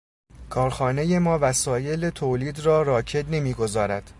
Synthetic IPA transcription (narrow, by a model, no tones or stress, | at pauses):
kʰɒːɾxɒːne̞je̞mɒːvæsɒːje̞let̪ʰoːliːd̪rɒːɾɒːcʰe̞d̪ne̞miːɡo̞zɒːɾæd̪̥